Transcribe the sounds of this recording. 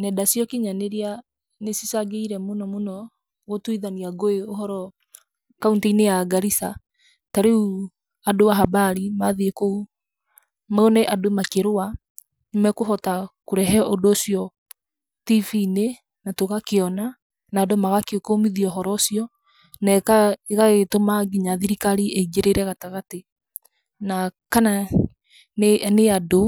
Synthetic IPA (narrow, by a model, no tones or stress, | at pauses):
nɛdasjɔkiɲaneɾea | nesisaɡeiɾɛmonɔmonɔ | ɣotuiðaniaɡoeoɦɔɾɔ | kauntainejaɡaɾisa | taɾeu | adowaɦabaɾimaðiekou | maonɛʔadomakeɾoa | nmɛkoɦɔtakoɾɛɦɛʔodoːsiɔ | tifine | natoɣakeɔna | naːdomaɣakeokomiðiɔɦɔɾɔsjɔ | nakaeɣaɣetomaɡiɲaðiɾikaɾiʔeiɡeɾeɾɛɣataɣate | nakana | nneado